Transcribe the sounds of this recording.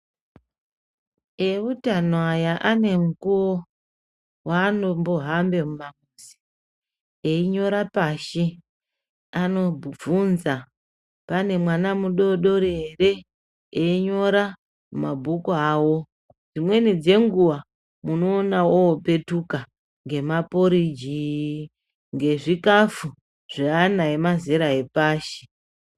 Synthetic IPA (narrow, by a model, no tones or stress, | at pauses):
eutanoajaʔane̞ŋukuwo | waːnomboɦambe̞mumamusi̥ | eiɲo̞ɾapaʃe | ano̞bʱub͡vunza | pane̞mwanamuɗo̞ɗo̞ɾeɦeɾe̞ | eiɲo̞ɾa | mabʱukoaːwo̞ | d͡zimwe̞nid͡ze̞ŋɡuwa | muno̞ːnawoope̞tuka | ŋɡe̞mapo̞ɾid͡ʒi | ŋɡe̞ʐikafu | ʐ̥eanaemazeɾae̞paːʃe̥